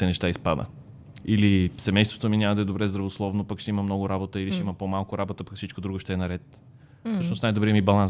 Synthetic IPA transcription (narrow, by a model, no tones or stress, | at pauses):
t̪ɛnɛʃt̪aispad̪ə̰ | ilisɛmɛjst̪vo̥t̪ominʲaməd̪ɐɛd̪obɾɛzd̪ɾɐvoslˠɔvnopəkʃt̪ɛiməmnɔɡʊɾabot̪əiliʃt̪iməpomalˠkʊɾabot̪əpɐksit͡ʃkod̪ɾuɡoʃt̪ɛːnɐɾɛt̪ | soʃnosnajd̪obɾiəmibɐlˠan